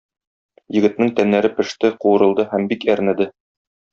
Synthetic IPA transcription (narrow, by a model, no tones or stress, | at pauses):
jɘ̆ɡɘ̆t̪̚nɘŋt̪ænːæɾɘpɘ̆ʃt̪ɘquɤ̆ɾɤ̆lˠd̪ɤhæmbikæɾnæd̪ɘ